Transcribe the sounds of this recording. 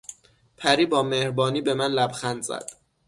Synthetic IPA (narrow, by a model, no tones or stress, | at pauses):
pʰæɾiːbɒːmehɾbɒːniːbe̞mænlæbxænd̪zæ̰d̪̥